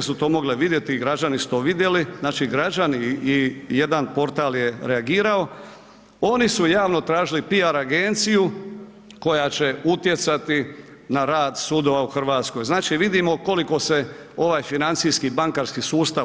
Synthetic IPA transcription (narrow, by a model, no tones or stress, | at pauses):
sut̪o̞ːmo̞ɡleʋid̪je̞t̪iɡɾad͡ʒanisu̥t̪o̞ːʋid̪je̞liznaːt͡ʃiɡɾad͡ʒaniː | je̞d̪anpo̞ɾt̪aːlje̞ɾeaɡiːɾao̞ | o̞nisujaːʋno̞t̪ɾaːʒilipiaɾaɡent̪siju | ko̞jat͡ɕe̞ut̪je̞t̪sat̪i | naɾaːd̪suːd̪oʋauxr̩ʋaːt̪sko̞jznaːt͡ʃiʋid̪imo̞ko̞liko̞se̞ | o̞ʋaːjfinant̪sijskibaŋkaɾskisuːst̪a